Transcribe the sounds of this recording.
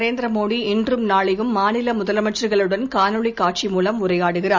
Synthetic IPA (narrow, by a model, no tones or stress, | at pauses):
ɾeːnd̪ɾɐmoːɽiɪndrɯmnaːɭɪjɯmːaːnɪlɐmʊðɐlɐmɐʈt͡ʃrɯɣɐɭɯɽɐnkaːnɯɭikːaːʈ̚t͡ʃimuːlɐmʊrɐjaːɽɯɣɪraː